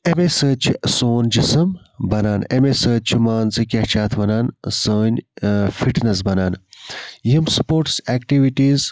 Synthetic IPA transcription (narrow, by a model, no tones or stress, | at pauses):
emesəːt͡ʃʰisoːnd͡ʒisɨm | bɐnaːnemesəːt͡ʃʰimaːnzɨkʲɐht͡ʃʰaːt̪ʰʋɐnaːnsəːnʲfiʈnɐs̬bɐnaːnjimspoːɾʈsɛːkʈiʋiʈiːz